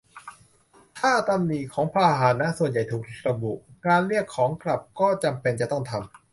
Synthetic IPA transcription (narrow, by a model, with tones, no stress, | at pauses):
t̪ʰaː˥˩t̪a˧mniː˨˩kʰɔː˩˦ŋpʰaː˧ɦaː˩˦nːa˦˥su˨˩ənja˨˩jt̪ʰuː˨˩k̚ʰɾa˧bṵ˨˩ʔkaː˧nɾi˥˩əkʰːɔː˩˦ŋkɾa˨˩p̚kɔː˥˩t͡ɕa˧mpe˧nt͡ɕa˨˩t̪ɔ˥˩ŋt̪ʰa˧m